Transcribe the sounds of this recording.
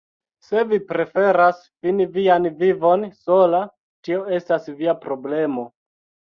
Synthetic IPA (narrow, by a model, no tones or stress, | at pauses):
se̞vipɾe̞fe̞ɾas | finivianvivo̞nso̞la | tio̞e̞stasviapɾo̞ble̞mo̞